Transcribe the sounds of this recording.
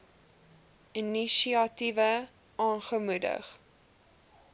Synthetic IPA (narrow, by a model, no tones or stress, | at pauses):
iniʃiɐtivə | ʔɑːnχəmudə̰χ